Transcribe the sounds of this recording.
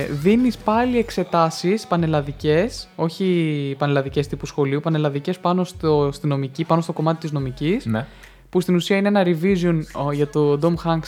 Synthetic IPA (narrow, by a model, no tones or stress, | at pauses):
ðinispɐlie̞kse̞t̪ɐsispɐne̞lɐðice̞so̞çipɐne̞lɐðice̞st̪ipusxo̞liupɐne̞lɐðice̞spɐno̞st̪ost̪ino̞micipɐno̞st̪o̞ko̞mɐt̪it̪izno̞micisn | pust̪inusiɐineenɐɾivizionʝɐt̪od̪o̞mxɐŋɡs